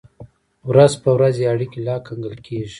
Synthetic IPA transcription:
wɾazpəwɾazeaɽikelɑkaŋɡəlkʰeʒi̥

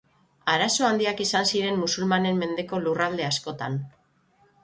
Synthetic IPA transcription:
aɾaso̞and̪iakisansiɾe̞mːusulmane̞mːe̞nd̪e̞ko̞lurald̪e̞asko̞t̪an

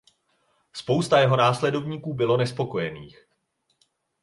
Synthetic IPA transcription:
spo̞wst̪ajɛɦo̞naːslɛdo̞vɲiːkuːbɪlo̞nɛspo̞ko̞jɛniːx

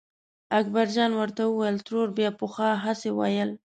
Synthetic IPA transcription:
ak̚baɾd͡ʒɑnwəɾt̪awəwajəlt̪ɾoɾbjɑpoxɑɦasewa̰jəl

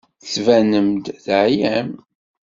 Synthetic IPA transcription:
θvænəmd̪ðʕjæm

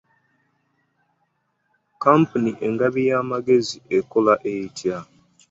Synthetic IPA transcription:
kampuniʔe̞ŋɡaβijaːmaɡe̞zieko̞laʔejtʰja

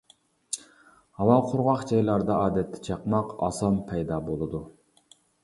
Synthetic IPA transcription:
hɑwɑqʰʊɾʁɑχd͡ʒɑjlˠɑɾd̪ɑɑːd̪ɛt̪ʰːɛ̥t͡ʃʰɑqmɑqɑ̰sɑmpʰɛjd̪ɑːbolˠɨd̪u

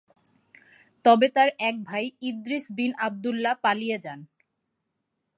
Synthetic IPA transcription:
t̪ɔbet̪aɾɛk̚bʱajid̪ɾisbinab̚d̪ulːapalijed͡ʑan

